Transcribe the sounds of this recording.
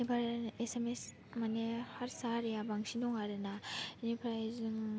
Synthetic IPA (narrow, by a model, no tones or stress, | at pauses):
ibaɾesemes | manehaɾsaɾijabaŋsinɔŋaɾɯnainipʰɾajzŋ